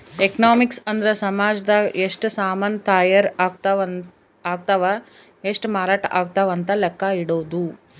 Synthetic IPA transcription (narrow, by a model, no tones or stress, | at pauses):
ekɐnaːmiksɐnd̪ɐɾɐsɐmaːd͡ʒɐd̪ɐʔeʂʈsaːmɐːnt̪aːjɐɾɡ̪ | aːɡ̚t̪aʋa | eʂʈmaːɾaːʈɐʔaːɡ̚t̪aʋɐnt̪ɐlɛkːɐiɽoːʋd̪u